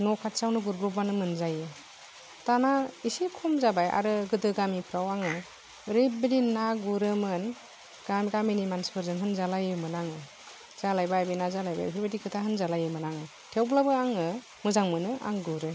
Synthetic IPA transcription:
nɔkʰat̚sawnɯɡuɾbɾɔbanɯmɯnzajɯ | tanaisikʰɔmzabaja̰ɾɯɡɯdɯɡamipʰɾawaŋɯ | ɾebɯdinaɡuɾɯmɯn | ɡ̥amɡaminimanspɯɾzɯŋɦɯnzalajɯmɯnaŋɯ | z̥alajbajbajnazalajba̰jpʰiɾbediɡʰɯtʰaɦɯnzalajɯmɯnaŋɯ | tʰewblabɯaŋɯ | mɯzaŋmɯnɯʔa̰ŋɡuɾɯ

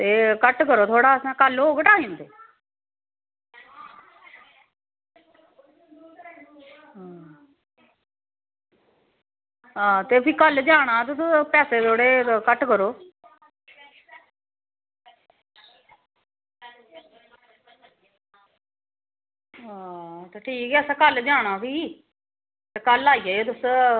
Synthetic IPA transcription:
t̪eːkəʈkəɾoːt̪ʰoːɽaːsɛ̃ːkəloːkəʈaːĩːnt̪ʰeː | ɦa | ɦãːt̪eːpʰɪkəld͡ʒaːɽ̃aːt̪̬ʊspɛːseːt̪ʰoːɽeːkəʈkəɾoː | ɦat̪eːʈʰiːkɛːsãːkəld͡ʒaːɽ̃aːpiː | t̪ekəlaːiːeːeːt̪̬ʊs

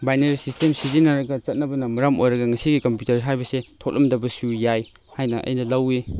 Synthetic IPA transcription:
bajneɾisistemsizinɐɾɐɡɐt͡ʃɐt̚nɐbɐnɐmɐɾamojɾɐɡɐŋɐsiɡikɐmpjutɐɾɦajbɐsetʰok̚lʔɐ̰mdɐbɐsujaj | hajnɐʔɐ̰jnɐlɐwe

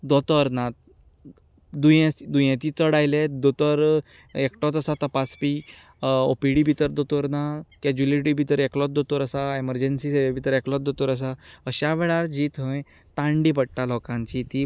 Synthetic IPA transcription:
d̪ɔt̪ɔəɾnat̪̚ | d̪ujẽd̪ujẽt̪it͡səɽajled̪ot̪əɾ | ekʈɔt͡s̪əsat̪əpat͡spi | o̰piɽibʱit̪əɾd̪ɔt̪ɔɾnakɛd͡ʑuliʈibʱit̪əɾeklɔt̪̚d̪ɔt̪oɾəsaeməɾd͡ʑensiseʋebʱit̪əɾeklɔt̪̚d̪ɔt̪oɾəs̬aəɕaʋɛɭaɾd͡ʑiːt̪ɦə̃ | t̪ãɳɖiːpəɽʈalɔkãɲt͡ɕit̪i

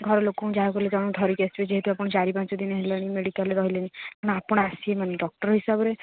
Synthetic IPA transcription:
ɡʱɔɾɔlokõd͡ʒaɦakɔled͡ʒɔɽ̃ũt̪ʰɔɾikesʈbed͡ʒeɦit̪uapɔɽ̃ɔt͡ʃaɾipãnt͡ʃɔd̪ineɦeleñimeɽikaleɾɔɦilenikanɔ̃apɔɽ̃ɔasiemaneɖɔk̚ʈɔɾɦisabɔɾe

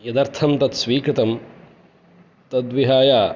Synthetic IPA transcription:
jɐd̪ɐɾt̪ʰɐmt̪ɐt̪sʋiːkɾɪt̪ɐm | t̪ɐd̪ʋiɦaːjaː

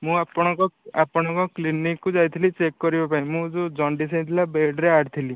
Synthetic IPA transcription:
mũapɔɽ̃ɔ̃kɔapɔɽ̃ɔ̃kɔklinikːud͡ʒajt̪ʰilit͡ʃekːɔɾibapaĩmũd͡ʒod͡ʒɔɳɖisaj̃t̪ʰilabeɖɾeaɽt̪ʰili

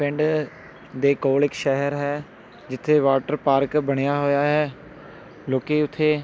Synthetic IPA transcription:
pʰɪ̃ɳɖ | d̪eːkoːlɪkʃɛɦəɾɦɛː | d͡ʒɪt̪ʰːeːʋaːʈəɾpaːɾkbəɽ̃ejaːɦoːjaːɦɛː | loːkeːʊt̪ʰːeː

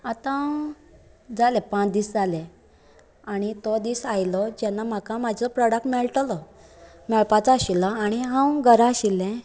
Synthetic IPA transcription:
at̪ã | d͡zalɛpãt͡sd̪isd͡zalɛ̃ | aɽ̃it̪ɔd̪iːsajlɔd͡ʑɛnːam̤akãmad͡ʑʱɔpɾɔɽək̚ʈmɛɭʈlɔ | mɛɭpat͡saɕilaaɽ̃iɦãwɡəɾãɕilːɛ̃

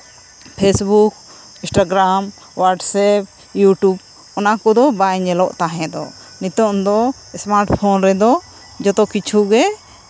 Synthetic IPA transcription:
pʰesbuk̚ | ĩsʈaɡɾam | waʈsɛp̚ | juʈub | ɔnakɔd̪ɔbajɲɛlɔʔt̪aɦɛ̃d̪ɔ̰ | nit̪ɔmd̪ɔ | ɛsmaɾʈpʰɔnɾɛd̪ɔ | d͡ʒɔt̪ɔkit͡ʃʰuɡɛ

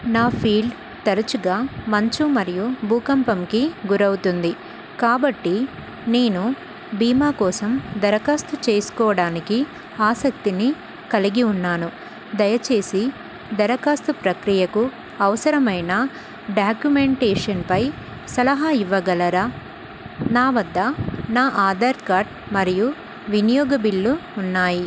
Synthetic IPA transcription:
naːpʰiːɭ | t̪ɐɾɐt͡ʃuɡaːmɐɲt͡ʃumɐɾijubʱuːkɐmpɐmkiɡuɾɐwut̪und̪i | kaːbɐʈːi | neːnu | biːmaːkɔːsɐmd̪ɐɾɐkaːst̪ut͡ʃe̞ːsu̥kɔːɐɽaːniki | aːsɐk̚t̪ini | kɐliɡiunːaːnu | d̪ɐjɐt͡ʃe̞ːsi | d̪ɐɾɐkaːst̪upɾɐkɾijɐku | ɐʋɐsɐɾɐmɐjnɐ | ɖaːkjumeɳʈeːʂɐnpɐj | sɐlɐɦaiʋːɐɡɐlɐɾa | naːʋɐd̪ːɐnaːʔaːd̪aːɾkaːɾʈ̚ | mɐɾiju | ʋinijɔːɡɐbiɭːuːnːaːji

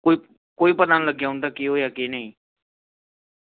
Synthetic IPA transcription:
koi | koːiːpət̪aːnləɡjaːʊnd̪aːkiːɦoːjaːkeːnəĩː

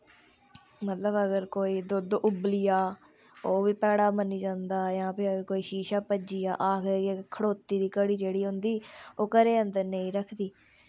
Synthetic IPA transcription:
mət̪ləbəɡəɾkoːiːd̪ʊd̪ʔʊblɪjaː | oːʋiːpɛːɽaːmənːiːd͡ʒãːnd̪aːjãːpɪəɡəɾkoːiːʃiːʃaːpəd͡ʒijaːʔaːk̪ʰːekʰəɽoːt̪iːd̪iːkəɽiːd͡ʒeːɽiːɦʊ̃nd̪iːoːkəɾeːə̃nd̪əɾnəĩːɾəkʰd̪iː

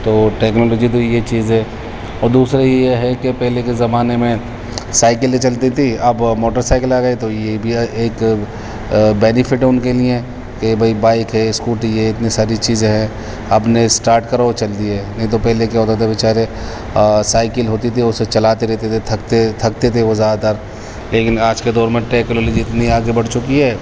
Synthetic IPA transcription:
t̪oːʈɛːknɔːlɔːd͡ʒit̪̬ojet͡ʃiːzɦɛ | ɔːɾd̪uːsɾajejeɦɛkepɛɦlekezɐmaːnemẽ | saːɪkəlet͡ʃɐlt̪it̪ʰiɐbmoːʈəɾsaːɪkəlaːɡəit̪ojebʱieːk | bɛːnɪfʰɪʈʊnkelie | kebʱɐibaːɪkɦɛɪskuːʈiɛɪt̪nisaːɾit͡ʃiːzẽɦɛ̃ | ɐpnesʈaːɾʈkɐɾat͡ʃɐlt̪iɦɛːnɐɦĩt̪opɛɦlek̬jaːɦoːt̪at̪ʰabʱɪt͡ʃaːɾe | saːɪkəlɦoːt̪it̪ʰiʊset͡ʃɐlaːt̪eɾɛɦt̪et̪ʰet̪ʰɐkt̪et̪ʰɐk̚t̪et̪ʰeʋozjaːd̪at̪aːɾ | leːkɪnaːd͡ʒked̪ɔːɾmẽʈeːknɔːlɔd͡ʒiɪt̪niaːɡebɐɽt͡ʃʊkiɦɛː

